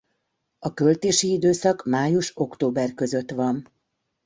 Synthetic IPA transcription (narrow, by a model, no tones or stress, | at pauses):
ɒkø̞lt̪eːʃiid̪øːsɒkmaːjuʃo̞kt̪oːbɛrkø̞zø̞t̪ʋɒn